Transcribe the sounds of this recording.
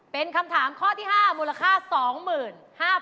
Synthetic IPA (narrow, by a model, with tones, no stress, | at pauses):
pe˧nkʰa˧mt̪ʰaː˩˦mkʰɔː˥˩t̪ʰiː˥˩ɦaː˥˩muː˧la˧kʰaː˥˩sɔː˩˦ŋmɯː˨˩n | haː˥˩